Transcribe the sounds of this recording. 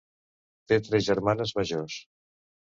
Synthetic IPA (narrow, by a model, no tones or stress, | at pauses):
t̪et̪ɾɛzʒəɾmanəzməʒos